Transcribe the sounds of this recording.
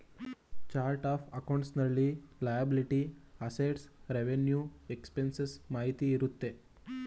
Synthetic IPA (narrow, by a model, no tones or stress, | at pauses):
t͡ʃaːɾʈaːfʰɐkɐwɳʈsnɐɭːilajɐbiliʈiɐseʈsɾeʋenjuekspensesmaːɦit̪iːɾut̪ːe